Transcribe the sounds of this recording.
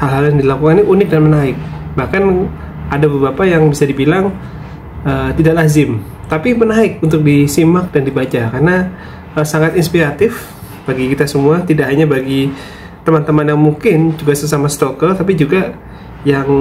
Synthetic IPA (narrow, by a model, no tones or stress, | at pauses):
halɦaljaŋdilakukaniʔunɪk̚danmənaɪk̚bahkan | adabəbapajaŋbisadibilaŋ | ət̪idaʔlazɪm | t̪apimənaɪk̚unt̪ʊk̚disimak̚dandibat͡ʃakarna | əsaŋat̪inspiɾat̪ɪf | b̥aɡikit̪asəmuat̪idaʔɦaɲabaɡi | t̪əmant̪əmanjaŋmuŋkɪnd͡ʒuɡasəsamasə̥t̪okət̪ap̬id͡ʒuɡa | jaŋ